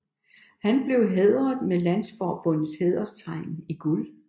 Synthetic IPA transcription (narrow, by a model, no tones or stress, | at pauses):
hænb̥le̝ʊɦeðˠɐð̩ˠmelæn̰sfɒːb̥ɔ̽n̰ð̩ˠsheð̞̰ˠɐst͡sʰɑ̈ɪ̰niɡ̥ul